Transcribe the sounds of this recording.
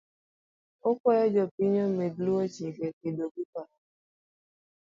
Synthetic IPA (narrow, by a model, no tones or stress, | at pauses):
okʷɔjɔd͡ʒɔpiɲom̩mebluot͡ʃikekedoɡukʷa